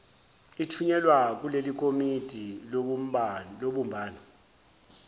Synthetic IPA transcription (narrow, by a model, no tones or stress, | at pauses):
itʰuɲɛlwak̬ulelik̬ʰʼomid̥ʱi | loɓumbʱaːnɔ